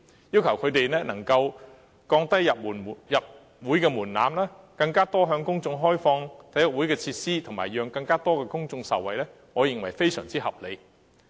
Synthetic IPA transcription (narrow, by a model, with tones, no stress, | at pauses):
jiː˥wkʰɐ˨˩wkʰɵ˨˧ɥt̪e˨jnɛː˥nɐ˨˩ŋkɐ˧w | kɔː˧ŋt̪ɐ˥jːɐ˨p̚uː˨˩n˨jɐ˨p̚ | wuː˨˥jkɛː˧muː˨˩nna̰ː˨˧mlaː˥ | kɐ˧ŋkaː˥t̪ɔː˥ɦœː˨˧ŋkʊ˥ŋt͡sʊ˧ŋɦɔː˥jfɔː˧ŋt̪ʰɐ˨˥jɔ˨wu˨˥jkɛː˧t͡sʰiː˧t̚siː˥t̪ʰŋma̰ː˨jœː˨˧ŋkɐ˧ŋkaː˥t̪ɔː˥kɛː˧kʊ˥ŋt͡sʊ˧ŋsɐ̰˨˩wɐ̰˨˩jlɛː˥ | ŋɔː˨˧jɪ˨ŋwɐ˨˩jfe˥jsœː˨˩ŋt͡siː˥hɐ˨p̚lḛ˨˧j